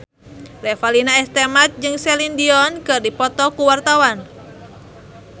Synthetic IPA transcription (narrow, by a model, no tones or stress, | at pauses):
lɛfalinaɛst̪ɛmat̪̚d͡ʒɨŋsɛlindiɔnkɨrdipɔt̪ɔkuwart̪awan